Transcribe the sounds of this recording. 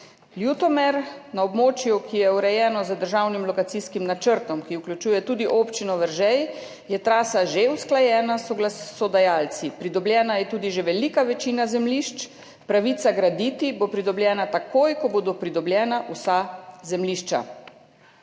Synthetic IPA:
ljut̪ɔmɛɾnaɔbmoːt͡ʃjukʰijɛuɾɛjɛːnɔzəd̪əɾʒawnimlɔkat̪siskimnat͡ʃəɾt̪ɔmkiuklʲut͡ʃuːjɛt̪uːd̪iʔoːpt͡ʃinɔʋəɾʒɛj | jɛt̪ɾaːsaʒeusklajɛːnasɔɡlasɔd̪ajaːlt̪sipɾid̪ɔbljɛːnajɛt̪uːd̪iʒeʋɛlikaʋɛt͡ʃiːnazɛmliʃt͡ʃ | pɾaʋit̪saɡɾad̪it̪ibopɾid̪ɔbljɛːnat̪akoːjkɔbod̪opɾid̪ɔbljɛːnaʔusazɛmliːʃt͡ʃa̰

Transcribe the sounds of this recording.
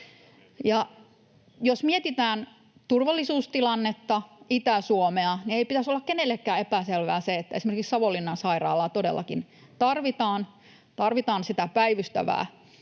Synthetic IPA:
jɑ | josmiet̪it̪æːn | t̪urʋɑlːisuːst̪ilɑnːet̪ːɑit̪æsuomeɑnieipit̪æsolːɑkkenelːekːæːepæselʋæ̰ːseet̪ːæesimerkiksɑʋolːinːɑnsɑirɑ̰ːlːˑɑt̪odḛlːɑ̰kin | t̪ɑrʋit̪ɑːn | t̪ɑrʋit̪ɑːnsit̪æpæiʋyst̪æ̰ʋæ̰ː

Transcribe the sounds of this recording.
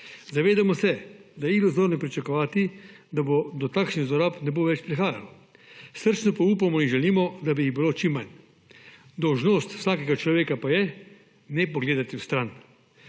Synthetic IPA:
zaʋeːd̪amɔsɛd̪ajɛilozoɾnipɾit͡ʃakɔʋaːt̪id̪abod̪ɔt̪aːkʃniɣzɔɾaːpnɛboʋɛt͡ʃpɾixaːja̰lɔ | səɾt͡ʃnɔpaupamɔinʒɛliːmɔd̪abiiɣbiloːt͡ʃimːan | d̪ɔwʒnost̪w̥saːkɛɡat͡ʃlɔʋeːkapajɛ | nɛpɔɡleːd̪at̪iwst̪ɾan

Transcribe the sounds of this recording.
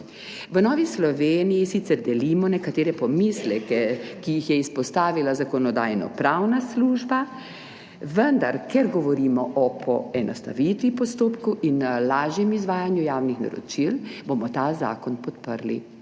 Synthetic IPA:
ʋənɔːʋislɔʋeːnijisit̪sɛɾd̪ɛlimɔnɛkat̪eːɾɛpɔmislɛkɛkijixjɛispɔst̪aːʋilazakɔnɔd̪a̰ːjnɔ̰pɾawnasluːʒba | ʋənd̪a̰ɾkɛɾɡɔʋɔɾiːmɔʔɔpʰɔ̰ɛnɔst̪a̰ʋit̪ʋipɔst̪oːpkuʔinlaːʒjɛmizʋaːjanjujaːwnixna̰ɾɔ̰t͡ʃilbomɔt̪aːza̰ːkɔnpɔt̪pəɾlḭ

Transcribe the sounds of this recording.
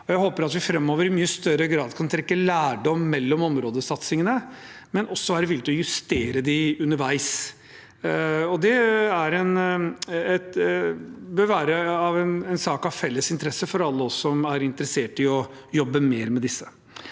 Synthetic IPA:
ɔjæɪhoːpəɾɑt̪ʋɪfɾɛmːoːʋəɾɪmyːəst̪œɾəɡɾɑːd̪kʰɑnt̪ʰɾɛkːəlæːɖɔmːɛlːɔmɔmɾoːd̪əsɑt̪sɪŋənə | mɛnɔsːɔʋæːɾəʋɪlːɪt̪ɪlɔjʉst̪eːɾəd̪ɪʉnəɾʋæɪs | ɔd̪ɛæɾɛn | ɛt̪ | bøːʋæːɾəɑʋɛnɛnsɑːkɑʋfɛlːəsɪnt̪əɾɛsːəfɔɾɑlːəɔsːɔmæɾɪnt̪əɾəseːʈɪɔ | jɔbːəmeːɾmɛd̪ɪsːə

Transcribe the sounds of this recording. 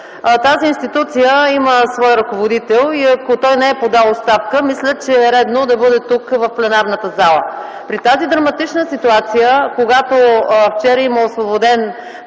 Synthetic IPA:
t̪aziinst̪it̪ut̪sijəiməsvɔjɾɐkovod̪it̪ɛlˠiɐkot̪ɔjnɛɛpod̪alˠot̪st̪afkəmislʲət͡ʃɛːɾɛd̪nod̪ɐbɤd̪ɛt̪ukvɐfplɛnaɾnət̪əzalˠə̰ | pɾit̪azid̪ɾɐmɐt̪it͡ʃnəsit̪uat̪sijəkoɡat̪oft͡ʃɛɾəiməosvobod̪ɛn

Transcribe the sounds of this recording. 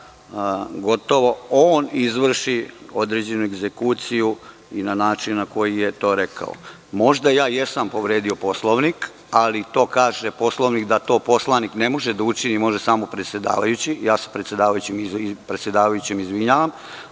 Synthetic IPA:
ɡo̞t̪o̞ʋo̞oːnizʋr̩ʃio̞d̪ɾed͡ʑe̞nueɡzekuːt̪siju | inanaːt͡ʃinːako̞jije̞t̪o̞ːɾe̞kʰa̰o̰ | mo̞ʒd̪ajaːjesampo̞ʋɾeːd̪io̞po̞slˠoʋnik | alit̪o̞ːkaːʒepo̞slˠoʋnikd̪at̪o̞ːpo̞slˠanikne̞moʒed̪aut͡ʃinimo̞ʒesaːmopɾet̪sje̞d̪a̰ːʋajut͡ɕijaːse̥pɾet̪sjed̪aːʋajut͡ɕimipɾe̞t̪sʲje̞d̪aːʋajut͡ɕimizʋiɲaːʋam

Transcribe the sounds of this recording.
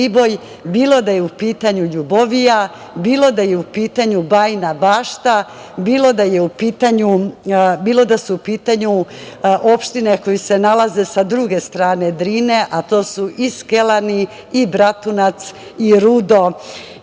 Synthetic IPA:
ibo̞j | biːlo̞d̪ajeupiːt̪aɲuʎuboʋija | biːlˠo̞d̪aje̞upiːt̪aɲubajnabaːʃt̪a | biːlo̞d̪aje̞upiːt̪aɲubiːlo̞d̪asuupiːt̪aɲuʔo̞pʃt̪inekojise̞nalaze̞sad̪ɾuɡe̞st̪ɾaːne̞d̪ɾiːne̞ʔat̪o̞ːsuʔiske̞lani | ibɾat̪unat̪s | iɾud̪o̞

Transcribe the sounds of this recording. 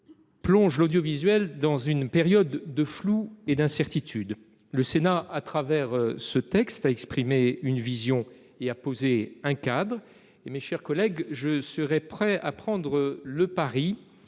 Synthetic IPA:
plɔ̃ʒlod̪jɔvizɥɛld̪ɑ̃zynpeʁjɔd̪ːəflued̪ɛ̃sɛʁt̪it̪ʰyd̪ | ləsenaat̪χavɛʁsət̪ɛkst̪aɛkspχimeynvizjɔ̃ | eapozeɛ̃kad̪ʁ | emeʃɛʁkɔlɛɡʒəsəʁɛpχɛa̰pχɑ̃d̪ʁələpaʁi

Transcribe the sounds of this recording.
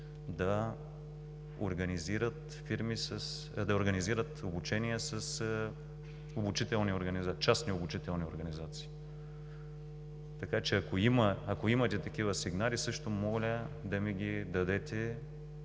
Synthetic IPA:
d̪ɐ | o̰ɾɡɐniziɾət̪ | fiɾmisɐs | d̪ɐoɾɡɐniziɾət̪obut͡ʃɛniɛsɐs | obut͡ʃit̪ɛlˠnioɾɡɐnizat͡ʃasniobut͡ʃit̪ɛlˠnioɾɡɐnizat̪si̥ː | t̪ɐkat͡ʃɛɐkoiməːkoimɐt̪ɛt̪ɐk̟ivəsiɡnalisɤʃt̪omɔlʲəd̪ɐmiɡʲid̪ɐd̪ɛt̪ɛ

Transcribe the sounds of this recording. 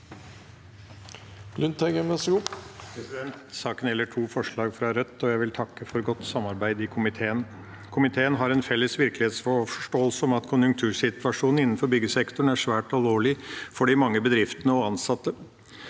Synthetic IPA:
lʉnt̪ʰæɡɛməsuːpʰɾɛsɪd̪ɛnt̪sɑːkənɛlːəʈʰuːfɔʂɭɑːɡfɾɑɾœt̪ːɔjæɪʋɪlt̪ʰɑkːəfɔɾɡɔt̪ːsɑmːɑɾbæɪd̪ɪkʰʊmɪt̪ʰeːən | kʰʊmɪt̪ʰeːənɦɑɾɛnfɛlːəsʋɪɾklɪheːt̪sfɔɔʂʈoːəlsəɔmɑt̪kʰʊnjʉŋkt̪ʰʉːʂɪt̪ʋɑʂuːnnɪnːn̩fɔɾbʏɡəsɛkt̪ʊɳ̩æʂʋæːʈɔloːɭɪfɔɖɪmɑŋːəbəd̪ɾɪft̪ənəɔɑnsɑt̪ːə

